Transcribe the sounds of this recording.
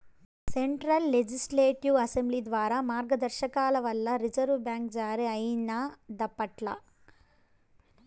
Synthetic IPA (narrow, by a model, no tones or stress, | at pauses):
seɳʈɾɐlːed͡ʒisleːʈiʋɐsemblid̪ʋaːɾaːmaːɾɡɐd̪ɐɾʃɐkaːlɐʋɐlːɐɾid͡ʒɐɾʋbjaːŋkd͡ʒaːɾiɐjnad̪ɐpːɐʈlɐ̰